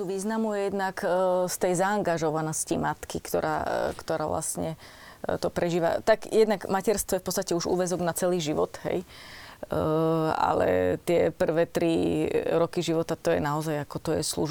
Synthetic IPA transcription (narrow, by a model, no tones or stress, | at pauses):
t̪uʋiːznamujɛjɛd̪nakst̪ɛjzaːŋɡaʒɔʋanɔscimat̪kikt̪ɔɾa̰ːkt̪ɔɾaːʋla̰sɲɛ | t̪ɔpɾɛʒiːʋa̰t̪aɡjɛd̪naɡmacɛɾst̪ʋɔjɛfpɔtt͡sst̪acɛuʒṵːʋɛzɔɡnat͡sɛliːʒiʋɔt̪ɦɛ̰j | a̰lɛ̰t̪ɪɛpr̩ʋɛːt̪ɾiɾɔkiʒiʋɔt̪at̪ɔjɛ̰naɔzajakɔt̪ɔjɛ̰slṵʒ